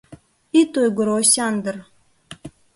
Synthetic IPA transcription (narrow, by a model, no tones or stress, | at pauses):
it̪ojɡə̆ɾosʲɑnd̪ər